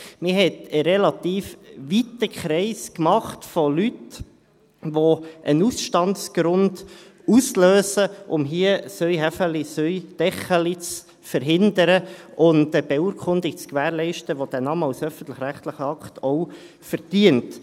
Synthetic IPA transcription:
mɪɦɛt̪əɾɛlɑt̪iːfʋitəkχɾɛɪskmɑχtfɔlyt | ʋoʔənusʃtɑntsɡ̥ɾʊnd | usløːsəʔʊmɦiəsœjɦæfəlisœʏd̥ɛχəlit͡s | fəɾɦɪndəɾəʔʊntəb̥euɾkʰʊndɪkt͡skʋæːɾlɛɪʃtəʋod̥æːnɑməawsœfən̩t̪lɪχɾæχt̪lɪχəɑktʰɔʊ | fəɾd̥iənt

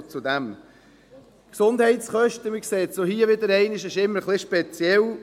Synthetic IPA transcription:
t͡sud̪æm | ksʊnd̥̪hɛɪtsχœʃtəmɪkseːtt͡sohiəʋɪd̪əɾɛɪnɪʃɪʃɪmːəɾχlɪʃpet͡sjɛl

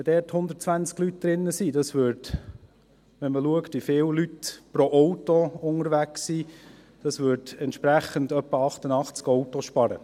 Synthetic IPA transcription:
əd̥ɛːthʊnd̪əɾt̚t͡svænt͡sklyt̚d̥ɾɪnːəsidɑsʋʏːɾd | ʋɛnməluəktʋifɪːwlytpɾoʔɔwtoʊŋəɾʋæksi | d̥ɑsvʏːɾdɛntʃpɾæχəndœpːəɑχt̪ənɑχt͡skɔwtoʃpɑɾə

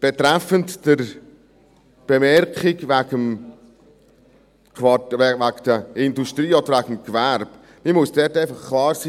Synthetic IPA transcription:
b̥etɾæfəntd̥əɾ | b̥emɛɾkχɪɡvæɡəm | kʰvɑvækd̥əɪndustɾiːɔd̥̪əɾvæɡəm̩kvæɾb | mimʊsd̥ɛteɪfɑχkʰlɑːɾsiː

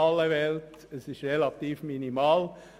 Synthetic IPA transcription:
ɑlːəvɛlt | ɛsɪʃʁelɑt̪iːfminimɑːl

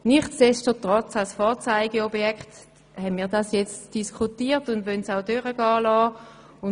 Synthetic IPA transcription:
niχtɛʃtətʁɔt͡salsfɔːɐt͡saɪɡeɔbjɛkχt | hɛnmiːɐdɑsjɛt͡std̥iskʰχutiːtʊndʋœnsaʊdøʁəɡ̥ɑːlɑː | ʊ

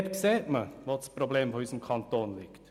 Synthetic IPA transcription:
tseːɾməʋɑt̪spʰɾʊbleːmpʰɔhyːsɔmkʰɑnt̪oːnlɪɡt̪

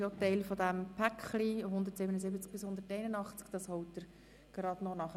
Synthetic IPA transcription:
otɛɪlfɔd̪æmpʰækχliɦʊnd̪əɾtsɪbənəzɪbət͡sk̚b̥ɪshʊnd̪əɾtɛɪnənɑχt͡skd̥ɑshɔwtːəɾ | ɡ̥eɾɑd̥nɔnɑχ

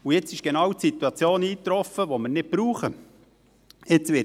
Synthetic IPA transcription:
ujɪt͡sɪʃɡ̥enɑwtsit̪uɑt͡sjoːniːt̪ɾɔfəʋoməɾnɪt̚b̥ɾuːχə | jɪt͡sʋɪ

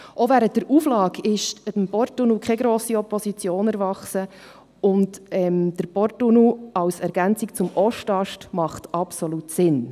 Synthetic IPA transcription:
ʔovæɾənt̚dəɾuːflɑːɡɪʃətəmpɔɾtunukχɛɡɾoːsiɔpɔsit͡sjoːnɛɾvɑχsə | ʊntɛmd̥əɾpɔɾtunuɑwsɛɾɡ̥ænt͡sik̚t͡sʊmʔɔʃtɑʃtmɑχtɑpsoluːtsɪn

